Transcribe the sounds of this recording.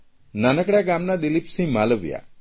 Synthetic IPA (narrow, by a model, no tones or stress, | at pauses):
nanəkɽaɡamnad̪ilipsĩmaləbḭja̰